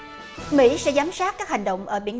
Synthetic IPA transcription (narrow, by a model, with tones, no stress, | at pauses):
mḭ˧˥sɛ̰˧˥zaː˨˦msaː˦˥t̚kaː˦˥k̚ha˨˩jŋ̟ɗə̰˧˨wŋ͡mʔəː˧˩ɓḭ˧˩ən